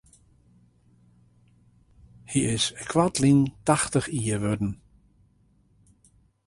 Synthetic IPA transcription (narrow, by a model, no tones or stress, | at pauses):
hiɪskʰwatlintaxtəχiːəʋødn̩